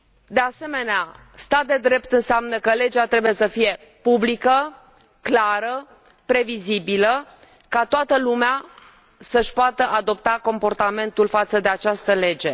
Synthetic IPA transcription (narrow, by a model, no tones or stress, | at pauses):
d̪e̞ase̞me̞nea | st̪at̪̚d̪e̞d̪ɾe̞pt̪ɨnseamnəkəle̞d͡ʒat̪ɾe̞buje̞səfije̞ | publikə | klaɾə | pɾe̞vizibilə | kat̪oat̪əlumea | səʃʲpoat̪əʔad̪o̞p̚t̪ako̞mpo̞rt̪ame̞nt̪ulfat̪səd̪e̞at͡ʃast̪əle̞d͡ʒe̞